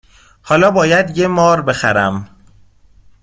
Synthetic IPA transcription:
hɒːlɒːbɒːjæd̪je̞mɒːɾbe̞xæɾæm

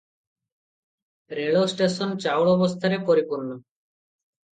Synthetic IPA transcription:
ɾeɭosʈesɔnt͡ʃawɭɔbɔst̪ʰaɾepɔɾipuɾnɔ

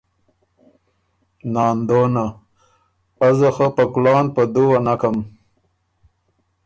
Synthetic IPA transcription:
nɑːnd̪ona | azəxəpəklɑːnpəd̪uwanakam

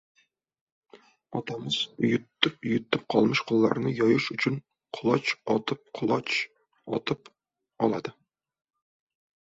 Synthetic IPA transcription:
ɒt̪ɑmɨz̥ʊjʊt̪ːɪpʊjʊt̪ːɪp̚qʰɒlˠmɪʃqʰʊlˠːɑ̰ɾnɨjɒjɪʃʊt͡ʃʰɪn | qʰʊlˠɑt͡ʃɒt̪ɨp̚qʰʊlˠɑt͡ʃ | ɒ̰t̪ʰɨp | ɒlˠɑ̰d̪ɨ

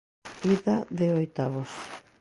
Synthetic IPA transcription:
iðaðeojt̪aβos

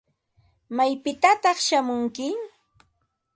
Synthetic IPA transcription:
majpɪt̪at̪ɑχʃamʊŋkɪ

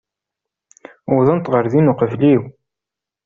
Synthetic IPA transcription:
ʊðˤənt̪ʁəɾðinʊqəvliw

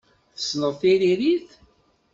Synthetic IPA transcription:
θə̥snəʁθiɾiɾiθ

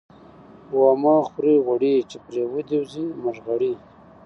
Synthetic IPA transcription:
wɑmɑxɾiɣaɽit͡ʃepɾewəd̪ewziməʐɣaɽi

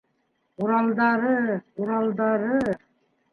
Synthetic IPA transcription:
uɾɑlˠd̪ɑɾɤquɾɑlˠd̪ɑɾɤ

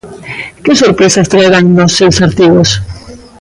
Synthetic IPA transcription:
kesoɾpɾesast̪ɾaeɣaŋnosːewsaɾt̪iɣos

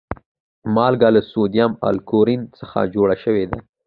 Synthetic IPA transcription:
mɑlɡɑlasod̪ijama̰lkoɾinsəxa̰d͡ʒoɽaʃəwed̪a

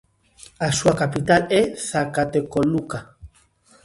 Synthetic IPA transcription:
asuakapit̪aleθakat̪ekoluka

